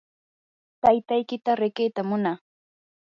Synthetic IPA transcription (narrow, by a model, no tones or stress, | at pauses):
t̪ajt̪ajkɪt̪aɾɪkejt̪amʊna